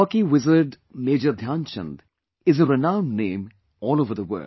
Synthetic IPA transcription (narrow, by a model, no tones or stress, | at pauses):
aːkiwɪzəɾɖ | meːd͡ʒəɾd̪ʱjãːnt͡ʃə̰̃nd̪ | ɪzəɾɪnãʊ̃nnẽːm | ɔːloːvəɾðəwə̰ː